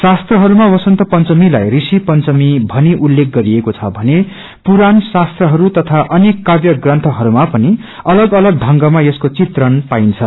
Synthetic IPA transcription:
sast̪rʌɦʌɾumawʌsʌnt̪ʌpʌnt͡sʌmila̰jrisipʌnt͡sʌmibʱʌniʔulːek̚ʰɡʌɾiekot͡sʰʌ̰bʱʌne | puɾansast̪rʌɦʌɾut̪ʌt̪ʰaʔʌnekːabjʌɡrʌnt̪ʰʌɦʌɾumapʌni | ʌlʌɡʌlʌɡ̚dʱʌŋɡʌmajʌskot͡sit̪rʌnpaint͡sʰʌ

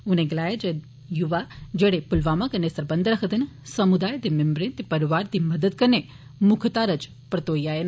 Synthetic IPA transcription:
uneɡlaːjad͡ʒe | juʋad͡ʒeɽepʊlʋamakənːesəɾbənd̪ɾəkʰəd̪in | səmud̪aːjd̪emembɾent̪epəɾiʋaːɾd̪iməd̪əd̪̚kəɾne | mʊkʰt̪aɾət͡ʃ | pɾət̪oːijaen

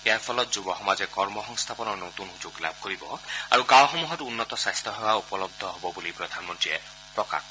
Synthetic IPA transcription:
eapʰɔlɔt̪̚d͡ʒubɔxɔmad͡ʒekɔɹmɔxɔŋst̪ʰapɔnɔɾnot̪unɦud͡ʒoɡla̰b̚ʱkoɾibɔaɾukawxɔmuɦɔtunːɔt̪ɔsast̪ʰɔɦewaupɔlɔb̚d̪ʱɔɦobɔbulipɾɔd̪ʱanmɔnʈɹie | pɾɔka̰k

